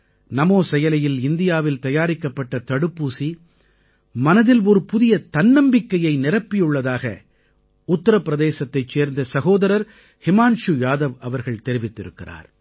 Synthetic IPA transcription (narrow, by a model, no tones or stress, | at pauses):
nɐmoːsɛjɐlɐjɪlɪnd̪ɪjaːʋɪlt̪ɐjaːɾɪkːɐpːɐʈːɐt̪ɐɽɯpːuːsi | mɐnɐðɪlɔɾɯpʊðɪjɐt̪ɐnːɐmbɪkːɐjɐɪnɪɾɐpːɪjɯɭːɐðaːɣɐ̰ | ʊt̪ːɐɾɐpːɪɾɐðeːsɐt̪ːɐɪt͡ʃːeːɾnd̪ɐsɐɣoːðɐɾɐɾ | hɪmaːnʂɯjaːðɐʋɐʋɐɾɣɐɭt̪ɛɾɪʋɪt̪ːɪɾɯkːɪra̰ːɾ